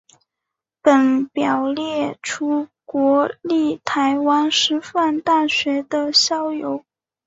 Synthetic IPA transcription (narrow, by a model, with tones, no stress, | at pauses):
pə˨˩npjɑ˨˩ʊljɛ˥˩ʈ͡ʂʰu˥kwɔ˧˥li˥˩t̪ʰa˧˥ɪwa˥nʂɻ̩˥fa˥˧nt̪a˥˩ɕɥɛ˧˥d̪ə˧ɕjɑ˥ʊjo˧˥ʊ